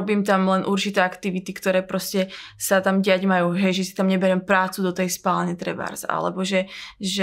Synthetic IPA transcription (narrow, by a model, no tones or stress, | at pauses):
ɔbiːmt̪amlɛnʔuɾt͡ʃit̪ɛːakt̪iʋit̪ikt̪ɔɾɛːpɾɔscɛsat̪amɟiaɟmajuːɦɛjʒɛsi̥t̪amɲɛbɛɾɛmpɾaːt͡sud̪ɔt̪ɛjspaːlɲɛt̪ɾɛba̰ɾza̰ʔa̰lɛ̰bɔʒɛʒɛ